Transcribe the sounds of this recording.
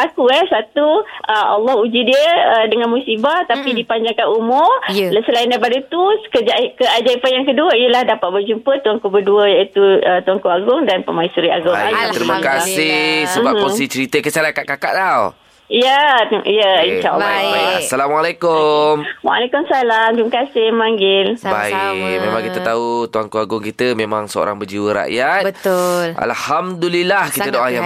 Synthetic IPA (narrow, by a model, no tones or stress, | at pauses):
ʔakuɛsat̪uʔəa̰lːɔhud͡ʒidiəədəŋãnmusibat̪apidipaɲd͡ʒaŋkanumʊrsəlaindap̬adət̪uskəd͡ʒakəad͡ʒaipanjaŋkəduəiəlahdapat̪̚bərd͡ʒumpət̪uaŋkobəduəjait̪uət̪uaŋkoaɡʊŋdanpəmaisuɾiʔa̰ɡʊŋŋat̪ɾimakasɪhsəbapːɔsit͡ʃəɾit̪əkəsalakaʔkaka̰ʔt̪aw | ijəijəinʃaʔa̰l̰ːassalamwalekʊmwa̰lekʊmsalamt̪umakasɪhmaŋɡɪlba̰ikmẽmãŋkit̪ət̪aut̪uaŋkoaɡʊŋkit̪əmemaŋsəo̰ɾa̰ŋbərd͡ʒiwəɾa̰ʔjat̪bəʊla̰lhamdulilahkit̪ədoʔaja